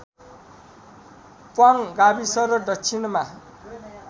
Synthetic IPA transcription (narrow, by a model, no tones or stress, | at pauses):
pwaŋɡabisʌɾʌdʌkt͡sʰinma